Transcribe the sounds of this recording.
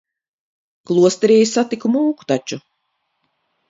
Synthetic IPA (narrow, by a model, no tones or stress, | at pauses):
klˠuɔst̪ɛɾiːjisat̪ikumuːku̥t̪at͡ʃu